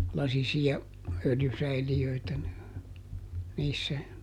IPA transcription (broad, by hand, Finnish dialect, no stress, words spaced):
lɑsisiɑ øljysæiliøitæ niːsːæ